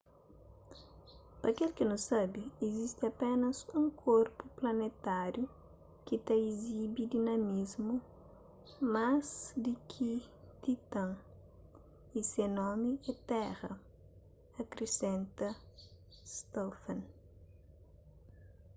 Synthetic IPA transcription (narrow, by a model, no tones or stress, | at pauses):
pɐkelkɪnõsabiːzist̪ɪɐpenɐsũŋkʰoɾpʊplɐnet̪aɾju | kit̪ɐizibid̪inɐmizmu | mazd̪ikʰi | t̪it̪ɐ̃ŋ | isenɔmɪɛt̪ɛʁɐ | ɐkɾesẽnt̪ɐ | st̪ɔfɐ̃n